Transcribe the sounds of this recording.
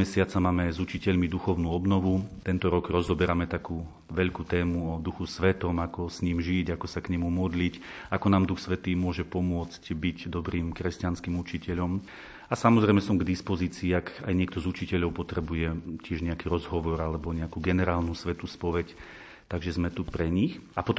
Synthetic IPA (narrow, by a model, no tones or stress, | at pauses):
ɛsɪat͡samaːmɛzut͡ʃicɛʎmid̪uxɔʊnuːɔbnɔʋut̪ɛnt̪ɔɾɔɡɾɔzɔbɛɾamɛt̪akuː | ʋɛʎkuːt̪ɛːmuɔd̪uxusʋɛt̪ɔmakɔsɲiːmʒiɟakɔsakɲɛmumɔd̪licakɔnaːmd̪uxsʋɛt̪iːmʊɔʒɛpɔmʊɔt͡scbicd̪ɔbɾiːmkɾɛscanskiːmut͡ʃicɛʎɔm | asamɔzɾɛjmɛsɔmɡd̪ispɔziːt͡siːakajɲɪɛkt̪ɔzut͡ʃicɛʎɔʊpɔt̪ɾɛbujɛcɪɛʒɲɛakiɾɔzɦɔʋɔɾalɛbɔɲɛakuɡɛnɛɾaːlnusʋɛt̪uspɔʋɛc | t̪aɡʒɛzmɛt̪upɾɛɲixapɔt̪